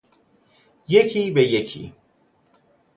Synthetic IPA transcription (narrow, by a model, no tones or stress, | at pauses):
jecʰibejecʰḭ